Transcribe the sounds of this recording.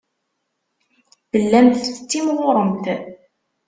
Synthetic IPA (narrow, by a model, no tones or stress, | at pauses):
b̥əlːæmθət͡sːimʁʊɾˤəmt̪